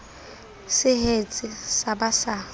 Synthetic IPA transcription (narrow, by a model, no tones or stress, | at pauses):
sɪhet͡sʼɪsabasaː